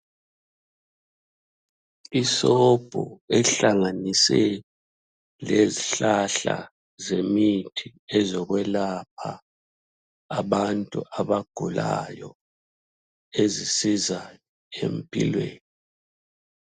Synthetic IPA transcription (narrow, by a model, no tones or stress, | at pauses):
isɔb̥ʱɔ̰ɛɬaŋanisɛ | leziɬaɬa̰ | zemitʰiɛzɔɣwɛlap̚ʰa | βantʼṵʔaβaɡ̥ʱula̰jɔ̰ | ezisiza | ḛmpʼḭlwḛːni